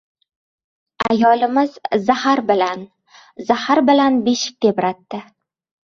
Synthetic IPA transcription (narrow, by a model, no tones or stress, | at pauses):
ajɒlɪmɪz̥ːahaɾbɪlan | zahaɾbɪlanbeʃɪ̥k̚ʲt̪ʲebɾat̪ːɪ